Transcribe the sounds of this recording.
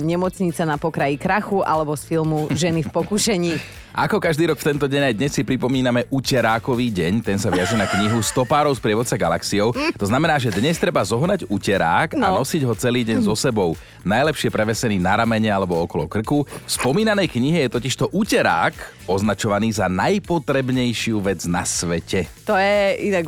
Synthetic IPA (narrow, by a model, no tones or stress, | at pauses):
ɲɛmɔt͡sɲit͡sanapɔkɾajikɾaxuʔa̰lɛbɔsfilˠmuʒɛnifpɔkuʃɛɲiː | ʔa̰kɔkaʒd̪iːɾɔkft̪ɛnt̪ɔɟɛɲajd̪ɲɛsːipɾipɔmiːnamɛʔucɛɾaːkɔʋiːɟɛɲt̪ɛnsaʋɪaʒɛnakɲiɦust̪ɔpaːɾɔʊspɾɪɛʋɔt̪t͡saɡala̰ksijɔʊt̪ɔznamɛnaːʒɛd̪ɲɛst̪ɾɛbazɔɦnaɟucɛɾa̰ːka̰nnɔsiɟɦɔt͡sɛliːɟɛɲzɔsɛbɔʊ | najlɛpʃɪɛpɾɛʋɛsɛniːnaɾamɛɲɛalɛbɔɔkɔlɔkr̩kufspɔmiːnanɛjkɲiɦɛjɛt̪ɔciʃt̪ɔʔucɛɾa̰ːk | ɔznat͡ʃɔʋaniːzanajpɔt̪ɾɛbɲɛjʃɪuʋɛd͡zna̰sʋɛcɛt̪ɔjɛinaɡ